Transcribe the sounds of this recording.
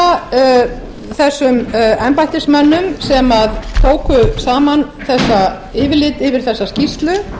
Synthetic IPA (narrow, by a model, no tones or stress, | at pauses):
θɛsːʏmɛmpajht̪ɪ̥smɛnːʏmsɛmaðt̪ʰoːwkʏsaːman | θɛsːa | ɪːvɪɾlɪt̪ɪvɪɾ̥θɛsːascist̪lʏ